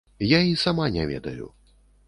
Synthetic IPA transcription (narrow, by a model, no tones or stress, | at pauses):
jaisamanʲɛvʲɛ̰d̪ɐjṵ